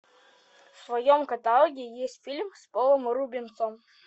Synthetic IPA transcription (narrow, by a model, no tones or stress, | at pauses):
fsvɐjomkɐt̪ɐlˠɔɡʲɪjesʲtʲfʲilʲmspolˠəmɾubʲɪnt̪som